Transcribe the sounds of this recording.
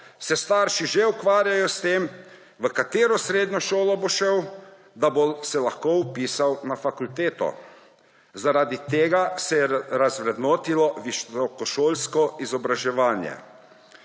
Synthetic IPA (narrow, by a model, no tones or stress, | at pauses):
sɛst̪aːɾʃiʒeukʋaːɾjajɔst̪eːm | ʋəkat̪eːɾɔsɾeːd̪ɲɔʃoːlɔboʃɛw | d̪abosɛlaxkowpiːsawnafakult̪eːt̪ɔ̰ | zaɾaːd̪it̪eːɡasɛjɛɾazʋɾɛd̪noːt̪ilɔʋiʃt̪ɔkɔʃoːlskɔizɔbɾaʒɛʋaːnjɛ̰